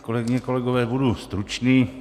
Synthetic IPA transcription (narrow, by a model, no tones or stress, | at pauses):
kolɛɡɪɲɛko̞lɛɡovɛːbudust̪ɾut͡ʃniː